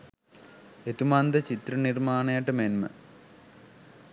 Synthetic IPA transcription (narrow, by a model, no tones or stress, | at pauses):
et̪umand̪ɐt͡ɕit̪rɐnirmaːnɐjɐʈːɐmenmɐ̰